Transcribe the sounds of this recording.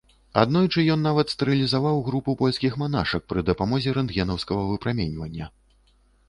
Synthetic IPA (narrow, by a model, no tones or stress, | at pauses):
a̰d̪nɔjt͡ʂɨjɔnːavɐt̪st̪ɛɾɨlʲizavawɣɾupupɔlʲskʲixmanaʂɐk̚pɾɨd̪ɐpamɔzʲɛɾɛnd̪ɣʲɛnɐwskɐɣɐvɨpɾamʲɛnʲvɐnʲːɐ